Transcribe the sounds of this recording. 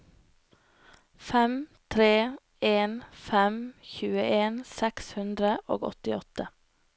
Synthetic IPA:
fɛmt̪ʰɾeː | eːnfɛmçʉːəʔeːnsɛkshʉnd̪ɾəʔo̰ːɡɔ̰t̪ɪɔt̪ə

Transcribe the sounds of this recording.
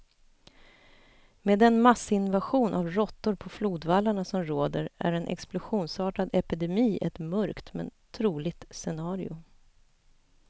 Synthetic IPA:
meːd̪ɛnmasːɪnvaɧuːnʔa̰vɾɔt̪ːʊɾpʰɔfluːd̪valːaɳasɔmɾoːd̪əɾæ̰ɾɛnʔɛ̰ksplʊɧuːnsɑːʈad̪ɛpɪd̪ɛmiːʔɛ̰t̪mœɾkt̪mɛ̰nt̪ʰɾuːlɪɡ̚t̪sɛnɑːɾɪʊ

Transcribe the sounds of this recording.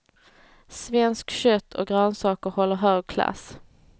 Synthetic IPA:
svɛnskɕœt̪ʰːɔ̰ɡɾœnsɑːkəɾhɔlːəɾɦœːɡkʰla̰s

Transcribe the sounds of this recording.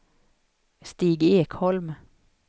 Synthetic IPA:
st̪iːɡeːkhɔlm

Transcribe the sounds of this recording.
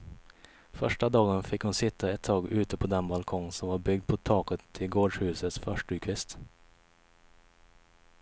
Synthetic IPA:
fœʂʈad̪ɑːɡənfɪkhʊnsɪt̪ʰːaɛt̪ʰːɑːɡʉ̟ːt̪əpʰɔd̪ɛnbalkʰɔŋsɔmvaɾbʏɡ̚d̪̚pʰɔt̪ʰɑːkət̪ʰːɪlɡoːɖʂhʉ̟ːsət̪sfœʂʈʉkʰʋɪst̪

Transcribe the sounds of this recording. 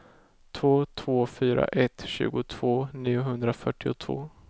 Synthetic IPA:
t̪ʰvoːt̪ʰv̥oːfyːɾa̰ʔɛt̪ɕʉ̟ːɡʊt̪ʰv̥oːniːʊɦɵnd̪ɾafœʈːɪʊt̪ʰv̥o̰ː

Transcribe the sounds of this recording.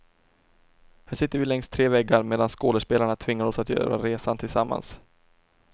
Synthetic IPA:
hæːʂɪt̪ːəɾvɪlɛŋst̪ʰɾeːvɛɡːaɾmeːd̪anskoːləʂpeːlaɳat̪ʰvɪŋːaɾɔsat̪jœ̰ːɾa̰ɾeːsant̪ʰɪlsamːa̰ns

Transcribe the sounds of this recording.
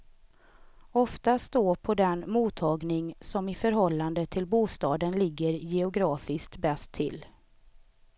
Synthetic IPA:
ɔft̪ast̪oːpʰɔd̪ɛnmuːt̪ʰːɑːɡnɪŋsɔmɪfœɾɦɔlːand̪ət̪ʰɪlbuːst̪ɑːd̪ənlɪɡːəɾjɛʊɡɾɑːfɪskt̪bɛst̪ʰːɪ̰lː

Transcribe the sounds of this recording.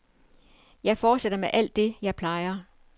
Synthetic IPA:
jɑ̈ɪfɒːd̥seɾ̥ɐmeʔæl̰d̥ːe̝jɑ̈ɪpʰlɑ̈ɪɐ

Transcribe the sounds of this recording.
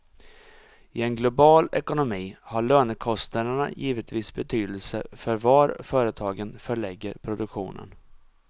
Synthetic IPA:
ɪɛnɡlʊbɑːlɛkʊnʊmiːhaɭøːnəkʰɔst̪nad̪əɳa̰jiːvət̪ʰviːsbɛt̪ʰyːd̪əlsə̰fœɾvaɾfœːɾət̪ʰɑːɡənfœɭɛɡːəɾpʰɾʊd̪ɵkɧṵːnə̰n

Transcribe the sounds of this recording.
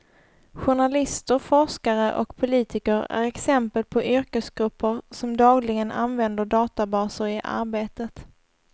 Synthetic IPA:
ɧʊɳalɪst̪əɾfɔʂkaɾəʔɔ̰kpʰʊliːt̪ɪkəɾæ̰ɾɛksɛmpəl̚pʰɔʔʏɾkəsɡɾɵpʰːəɾsɔmd̪ɑːɡlɪɡəna̰nvɛnd̪əɖɑːt̪abɑːsəɾɪʔa̰ɾbeːt̪ət̪

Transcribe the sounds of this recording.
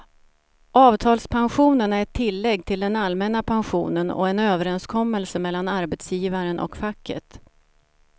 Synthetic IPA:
ɑːvt̪ʰɑːlspʰanɧuːnənæɾɛt̪ʰːɪlːɛɡːt̪ʰɪld̪ɛnalmɛnapʰanɧṵːnənɔ̰ɛnøːvəɾɛnskʰɔmːəlsəmɛlːanaɾbɛt̪sjiːvaɾənʔɔ̰kfakːə̰t̪

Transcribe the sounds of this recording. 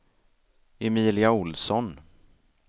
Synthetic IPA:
ɛmiːlɪaʊlsɔn

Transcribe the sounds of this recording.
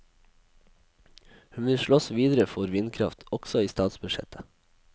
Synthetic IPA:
hʉnʋɪʃɭɔsʋiːd̪əɾəfɔɾʋɪnkʰɾɑft̪ʰɔɡ̥sɔiːst̪ɑːt̪sbʉʃɛ̰t̪ʰə̥

